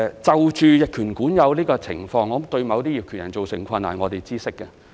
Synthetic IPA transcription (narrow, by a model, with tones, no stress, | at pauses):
t͡sɐ˨wt͡ʃyː˨˧jɪ˨kʰyː˨˩nkuː˨˥njɐ˨˧wliː˥kɔː˧t͡sʰɪ˨˩ŋfɔː˧ŋː˨˧˨t̪ɵ˧ɥmɐ˨˧wt̪iː˥jiː˨p̚kʰyː˨˩njɐ̰˨˩nt͡so˨wsɪ˨˩ŋkʷʰɐ˧nːa̰˨˩ŋɔː˨˧t̪e˨jt͡siː˥sɪ˥kːɛ˧